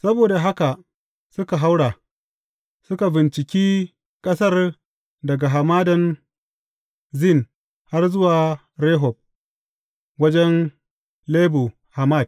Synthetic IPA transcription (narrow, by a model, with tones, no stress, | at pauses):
sɐ˦boː˨da˨ɦa˦ka˨ʔ | sʊ˦ka˨ɦa˦wɽa˨ | sʊ˦ka˨bɪ˨nt͡ʃɪ˨kʲiː˦ | kʼɐ˦sɐ˦r | dɐ˨ɡa˨ɦa˨maː˦dɐ˨n | zɪ˦˨n | ha˦rzʊ˦waː˨ | ɾeː˦ɦɔ˨b̚ | wɐ˦d͡ʒɛ˦n | leː˦bu˨ | ha˨ma˦˨d̚